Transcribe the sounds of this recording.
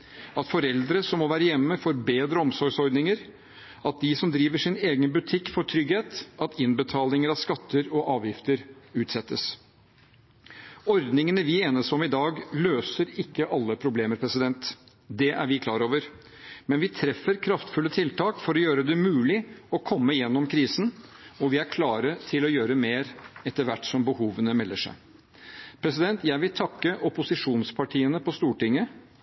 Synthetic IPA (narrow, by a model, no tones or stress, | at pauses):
ɑt̪fɔɾɛld̪ɾəsɔmːɔʋæːɾəjɛmːəfɔɾbeːd̪ɾəɔmsɔɾɡsɔɾd̪nɪŋəɾ | ɑt̪̚d̪ɪsɔmd̪ɾiːʋəʂɪneːɡənbʉt̪ʰɪkːfɔʈʰɾʏɡheːt̪ɑt̪ɪnbət̪ʰɑːlɪŋəɾɑʋskɑt̪ːəɾɔʔɑːʋjɪft̪əɾʉːt̪sɛt̪ːəs | ɔɾd̪nɪŋənəʋɪeːnəsɔmɪd̪ɑːɡløːsəɾɪkːəʔɑlːəpʰɾʊbleːməɾpʰɾɛsɪd̪ɛnt̪ | d̪ɛʔæ̰ɾʋɪkʰlɑːɾoːʋəɾ | mɛnʋɪt̪ʰɾɛfːəɾkʰɾɑft̪fʉlːət̪ʰɪlt̪ʰɑːkfɔɾɔjøːɾəd̪ɛmʉːlɪɔkʰɔmːəjɛnːɔmkʰɾiːsn̩ɔʋɪæɾkʰlɑːɾət̪ʰɪlɔjøːɾəmeːɾɛt̪ːəɾʋæʈːsɔmbəhuːʋənəmɛlːəʂæ̰ɪ | pʰɾɛs̬ɪd̪ɛnt̪jæɪʋɪlt̪ʰɑkːəʔɔpʊsɪʂuːnspʰɑʈʰiːənəpʰɔst̪uːʈɪŋːə